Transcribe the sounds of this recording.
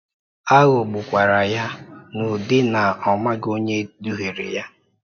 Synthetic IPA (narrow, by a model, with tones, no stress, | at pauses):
a˦ɣo˨ɡ͡bʊ˨kʷa˨ɾa˨ja˦nʊ˨dɪ˦na˨ɔ˨ma˦ɡo˦ɲe˦du˦ɦe˨ɾɪ̰˨ja˦